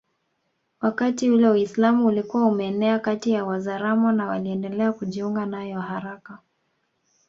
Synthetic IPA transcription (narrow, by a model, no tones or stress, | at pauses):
wakatiulɛwaislamuulikuwaumɛːnɛakatijawazaɾamɔnawaliɛndɛlɛakuʄiuŋɡanajɔhaɾaka